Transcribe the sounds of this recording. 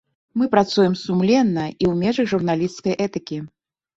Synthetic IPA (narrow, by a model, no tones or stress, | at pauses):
mɨpɾat̪sujɛmsumlʲɛnːɐiwmʲɛʐɨɣʐurnalʲist̪skɐjʔɛt̪ɨkʲi